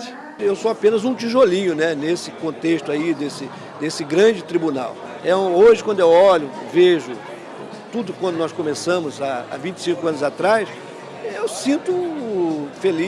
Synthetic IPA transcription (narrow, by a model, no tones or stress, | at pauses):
ewsoapẽnɐzũt͡ʃiʒolĩɲʊnɛnesɪkõnt̪eʃt̪ʊaid̪esɪ | d̪esɪɡɾɐ̃d͡ʒɪt̪ɾibuna̰w | ɛũoʒɪkwɐ̃nd̪ʊewɔʎʊveʒʊ | t̪ud̪ʊkwɐ̃nd̪ʊnɔskõmesɐ̃mʊzaa̰vĩt͡ʃɪ̥sĩŋkʊɐ̃nʊzat̪ɾajs | ewsĩnt̪ʊ | feli